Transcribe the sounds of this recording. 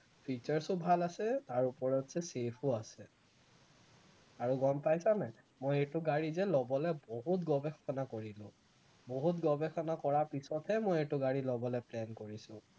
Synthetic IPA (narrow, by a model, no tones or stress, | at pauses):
pʰit͡ʃɔɹsʊbʱalasɛtaɹupɔɹɔtz̥ɛsepʰuasɛ | aɹuɡɔmpajsanaj | mojetʊɡaɹizɛlɔbɔlɛboɦutɡɔbɛxɔnakoɹilʊ̰̃ | boɦutɡɔbɛxɔnakɔɹapisɔtʰɛmojɛtʊɡaɹilɔbɔlɛplɛnkoɹisʊ̃